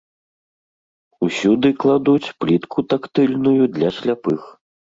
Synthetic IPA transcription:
usʲud̪ɨklˠad̪ut͡sʲplʲit̪kʰut̪akt̪ɨlʲnujud̪lʲasʲlʲapɨx

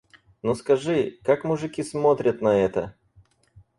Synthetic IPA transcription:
noskɐʐɨkakmʊʐɨkʲismo̞t̪ɾʲət̪nɐɛt̪ə

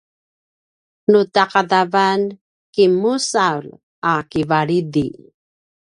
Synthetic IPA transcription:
nutaqadavan | kimusawl | akivaɭidḭ

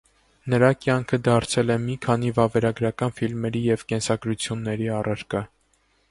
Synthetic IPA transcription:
nəɾɑkjɑŋkʰəd̪ɑɾt͡sʰɛlɛmikʰɑnivɑvɛɾɑɡɾɑkɑnfilmɛɾijɛvkɛnsɑɡɾut͡sʰjunːɛɾiɑrʔəɾkə

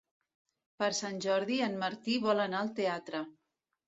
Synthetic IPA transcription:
pəɾsanʲʒɔɾðiənməɾt̪iβɔlənaəlˠt̪eat̪ɾə

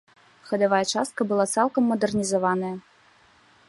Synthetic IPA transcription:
xɐd̪ɐvajɐt͡ʂast̪̚kɐbɨlˠat̪salˠkɐmːɐd̪ɐrnʲizɐvanɐjɐ

